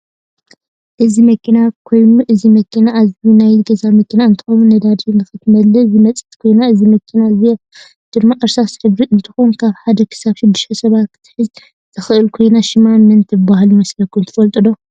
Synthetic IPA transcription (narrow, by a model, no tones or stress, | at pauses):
ʔɨzimɐkʰinakʰo̞jnuʔɨzimɐkʰinaːzinajɡɐzamɐkʰinaɨnt̪ʰɨxɐmunɐd̪ad̪inɨxɨt̪ʰɨmɐlɐzimɐt͡sʼɨ̥t̪ʰkʰo̞jnaɨzimɐkʰinaɨzijo | d̪̥ɨmmaʔɨɾsazɨħɨβɾiɨnt̪ʰɨ̥xonkʰaβħad̪ɐkʰɨ̥saβʃɪd̪ːɨʃt̪ʰɐsɐβat̪kʰɨ̥t̪ʰɨ̥ħɨz | zʰɨxɨʔɨlkʰo̞jnaʃɪmanmɐnt̪ʰɨɨbahalumɐslɐkʰunt̪ɨ̥fɐlt̪ʼɨd̪o